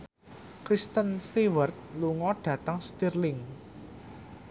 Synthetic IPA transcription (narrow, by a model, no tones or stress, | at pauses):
kɾist̪ənst̪iwərt̪̚luŋɔɖ̥ä̤t̪əŋst̪irlɪŋ